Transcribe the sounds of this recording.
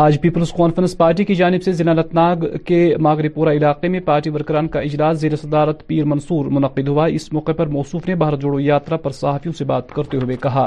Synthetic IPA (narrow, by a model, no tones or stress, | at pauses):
aːd͡ʒpiːpəlzkɔːnfəɾə̃nspaːɾʈ̬ikid͡ʒaːnɪbsezɪlaːlɐt̪naːɡkemaːɡɾipuːɾaɪlaːqemẽpaːɾʈiʋɐɾkɾaːnkaɪd͡ʒlaːszeːɾesɐd̪aːɾət̪piːɾmɐnsuːɾmʊnɐqːɪd̪ɦʊaɪsmɔːqepɐɾmɔːsuːfnebaɦɾd͡ʒoːɽojaːt̪ɾapɐɾsɐɦaːfijõsebaːt̪kɐɾt̪eɦʊʋekɐɦaː